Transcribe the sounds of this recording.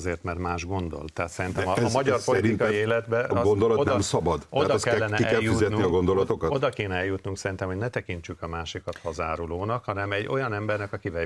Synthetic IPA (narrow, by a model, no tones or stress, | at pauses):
zeːrt̪mɛrmaːʒɡo̞nd̪o̞̰lt̪ɛɦat̪sɛɾint̪ɛmːmɒɟɒrpo̞liɾiinkɒieːlɛd̪bɛʔɒɡond̪olɒt̪odnmsɒbɒd̪odat̪ɒskɛːɛnɛiɛɛjjuizɛt̪nuniɒɡond̪olɒt̪okod̪ɒkeːnɛɛljut̪nuŋksɛɾint̪ɛmhoɟnɛt̪ɛkiɲt͡ʃykɒmaːʃikɒt̪hɒzaːɾuloːnɒkhɒnɛmɛɟːo̞jɒnɛmbɛrnɛkɒkivɛ